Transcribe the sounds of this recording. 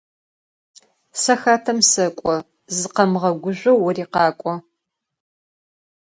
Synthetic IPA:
sɐxaːtʰɐmsɐkʷʼɔ | zɨqɐmʁɐɡʷʊʑʷɐwːɔriːqɑːkʷʼɔ

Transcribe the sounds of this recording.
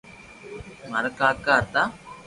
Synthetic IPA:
mɐɾɐkaːkaːɾt̪a

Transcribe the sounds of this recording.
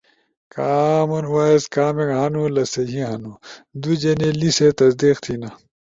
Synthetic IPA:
kaːmunwaːeskaːmekɦɐnulɐsɐɦiɦɐnud̪ud͡ʑeneliset̪ɐsd̪iːqt̪ʰinɐ

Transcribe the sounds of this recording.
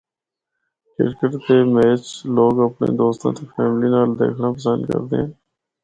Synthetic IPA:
kɪ̰ɾkəʈd̪eːmeːt͡ʃloːɡəpɳḛːd̪oːst̪ãːt̪eːpʰɛːmliːnaːld̪ḛːkʰɳaːpəsənd̪kə̰ɾd̪ḛːɦɛ̃ː

